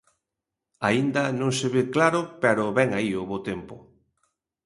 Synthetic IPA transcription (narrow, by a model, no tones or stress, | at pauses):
aind̪ɐnõŋseβeklaɾʊpeɾʊβɛŋaiʊβot̪empʊ